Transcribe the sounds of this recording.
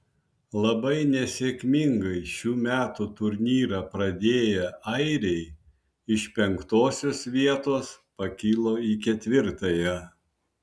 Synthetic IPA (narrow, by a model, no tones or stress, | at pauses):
lˠɐbɐɪnʲɛsʲeːkʲmʲɪŋɡɐɪʃʲuːmʲæːt̪ut̪ʊɾʲnʲiːɾɐpɾɐd̪ʲeːjɛɐɪɾʲɛɪ | ɪʃpʲɛŋkt̪oːsʲoːsʋʲiɛt̪oːspɐkʲɪlˠoːikʲɛt̪ʲʋʲɪɾt̪ɐjɛ